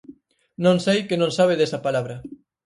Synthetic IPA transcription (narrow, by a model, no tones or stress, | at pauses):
nõŋsejkenõŋsaβ̞eðesɐpalaβɾɐ